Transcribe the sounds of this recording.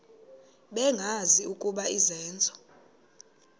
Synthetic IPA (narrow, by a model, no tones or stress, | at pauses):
ɓɛŋɡʱaziukʼuɓaizɛːnd͡zʱʼɔ̥